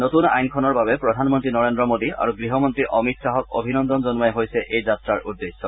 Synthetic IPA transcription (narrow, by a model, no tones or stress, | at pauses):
notuna̰jnkʰɔnɔɹbabɛpɹɔdʱanmɔntɹinɔɹendɹɔmodia̰ɹuɡɹiɦɔmɔntɹiʔɔmitsaɦɔko̰bʱinɔnd̪ɔnzɔnmajɦojsɛʔejzatɹaɹʔudːesːɔ